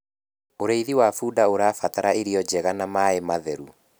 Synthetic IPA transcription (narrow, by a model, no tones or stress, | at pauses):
oɾeiðiwafuːdaoɾaːfataɾaeɾiɔd͡ʑɛɣanamaemaðɛɾu